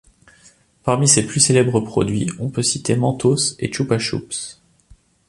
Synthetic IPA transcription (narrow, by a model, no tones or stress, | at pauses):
paʁmiseplyselɛbʁəpχɔ̰d̪ɥḭɔ̃pøsit̪emɑ̃t̪osḛt͡ʃupaʃṵps